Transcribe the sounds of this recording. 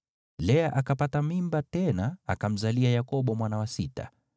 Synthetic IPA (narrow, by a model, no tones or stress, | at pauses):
lɛaʔakapatamimbatɛnaa̰kam̩zaliajakɔɓɔmwanawasita̰